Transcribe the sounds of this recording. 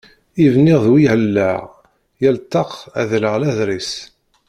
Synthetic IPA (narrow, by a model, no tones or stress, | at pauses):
ivniʁðwihəlːaʁ | jælt̪ːɑqæðləʁlæðɾis